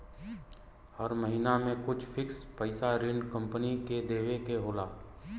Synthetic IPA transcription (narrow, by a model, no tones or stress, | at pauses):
həɾməɦinamẽkʊt͡ʃʰpʰɪkspəɪsaɾɪɳɖkə̃mpəniked̪eːwekeɦoːlaː